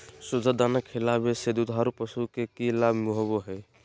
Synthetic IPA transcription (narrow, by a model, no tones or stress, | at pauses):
sud͡ʒʱəd̪anəkʰːilabesed̪ud̪ʱaɾupəsukekilabʱmuɦoboɦɛ